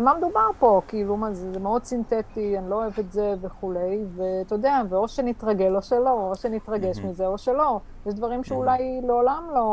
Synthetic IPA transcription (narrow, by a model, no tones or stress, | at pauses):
mamed̪ubaʁpo̞kiilumazezemeod̪sint̪et̪ianiloːevetzeveχule̞jvet̪od̪eaveo̞ʃenit̪ʁaɡe̞loʃelo̞oʃenit̪ʁaɡeʃmizeo̞ʃelo̞ | jɛʃd̪vaʁimʃeulajleolamlo̞